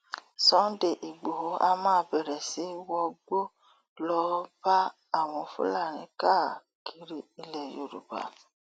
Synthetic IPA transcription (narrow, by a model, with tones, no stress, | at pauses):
sɔ̃˨˦de˨ʔi˨ɡ͡bo˨ɦo˨˦a˧mãː˦bɛ˨ɾɛ˨si˨˦wɔ˧ɡ͡bo˦ | lɔ˦b̥a˦ | a˦˨w̃ɔ̃˨˧fṵ˦la˦˨ɾ̃ĩ˨˦ka˦˨ | kʰi˧ɾi˦i˨lɛ˨jo̰˨ɾṵ˨ba̰˨